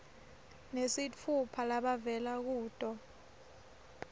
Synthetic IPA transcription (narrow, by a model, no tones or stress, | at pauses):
nesit͡fʰupʰalaɓavɛlak̬uːtʼɔ